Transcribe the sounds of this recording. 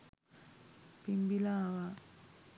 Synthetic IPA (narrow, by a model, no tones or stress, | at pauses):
pimbilaʋa